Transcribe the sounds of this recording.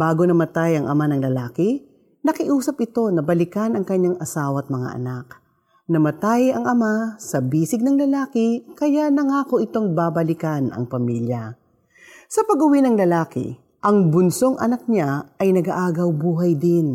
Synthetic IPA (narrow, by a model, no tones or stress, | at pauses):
b̥aːɡonɐmɐt̪ajɐŋʔɐ̰manɐŋlɐlaːkɪ | nɐkɪʔuːsɐpɪt̪o̞nɐbɐlɪkɐnɐŋkɐɲːaŋʔɐsaːwɐt̪̚mɐŋa̰ʔɐ̰nak̚ | nɐmɐt̪ajɐŋʔɐmasɐbiːsɪɡ̚nɐŋlɐlaːkɪkɐjaʔnɐŋaːkoʔɪt̪o̞ŋbaːbɐlɪkɐnɐ̰ŋpɐmiljɐ | sɐpɐɡʊwinɐŋlɐlaːkɪ̰ | ʔɐŋbʊnso̞ŋʔɐ̰nɐk̚ɲaʔɐjnɐɡaʔaːɡɐwbuːɦɐjd̪ɪn